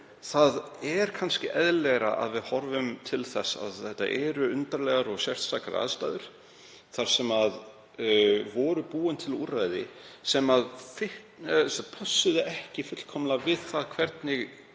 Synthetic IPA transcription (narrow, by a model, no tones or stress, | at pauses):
θaðɛɾ̥kʰanscɪʔɛðlɛɣɾaʔa̰ðvɪðhɔɾvʏmt̪ʰɪlθɛsa̰ðθɛht̪ːa̰ʔɛɾʏʏnt̪aɾlɛɣaɾɔɣsjɛr̥t̪sakaɾa̰ðst̪aːðʏɾ̥ | θaɾ̥sɛmað | vɔːɾʏpuːʏnt̪ʰɪlurajðɪ̰sɛmaðfɪ | spʰasːʏðɪʔɛhcɪfʏt̪l̥kʰɔmlavɪðθaðkʰv̥ɛɾt̪nɪɣ